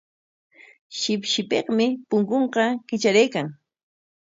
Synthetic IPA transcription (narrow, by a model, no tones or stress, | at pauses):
ʃɪpʃɪpeqmɪpʊŋkoɴqɑkɪt͡ʃaɾajkaŋ